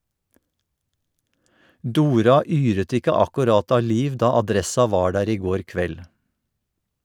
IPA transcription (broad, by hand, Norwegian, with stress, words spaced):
ˈduːɾɑ ˈyːɾət ˈɪkə ɑkʉˈɾɑt ˈɑː ˈliːʋ ˈdɑː ɑˈdɾɛsɑ ˈʋɑː ˈɖæːɾ ˈiː ˈɡoːɾ ˈkʋɛl